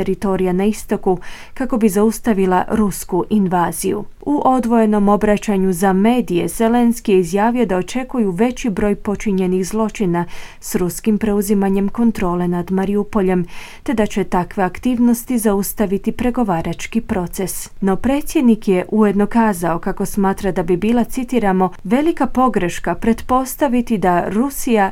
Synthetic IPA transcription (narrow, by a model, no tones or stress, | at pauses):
eɾit̪o̞ɾijanaist̪o̞ku | kako̞bizaust̪aʋilˠa̰ɾuskuʔinʋaːzijṵuʔo̞d̪ʋo̞je̞no̞mo̞bɾat͡ɕaɲuzame̞ːd̪ije̞z̥e̞le̞nskijeizjaːʋijo̞d̪ao̞t͡ʃe̞kujuʋe̞t͡ɕibɾo̞ːjpo̞t͡ʃiɲe̞nixzlˠo̞t͡ʃinasɾuskimpɾe̞uzimaɲe̞mko̞nt̪ɾo̞ːle̞nad̪maɾiupo̞ʎe̞m | t̪e̞d̪at͡ɕe̞t̪akʋe̞akt̪iːʋno̞st̪izaust̪aʋit̪ipɾe̞ɡo̞ʋaːɾat͡ʃkipɾo̞t̪se̞sno̞pɾe̞ːt̪sʲjed̪nikje̞ʔujed̪no̞kaːzao̞kako̞smaːt̪ɾad̪abibiːlˠat̪sit̪iɾamo̞ʋe̞likapo̞ɡɾeʃkapɾe̞t̪po̞st̪aʋit̪id̪aɾusija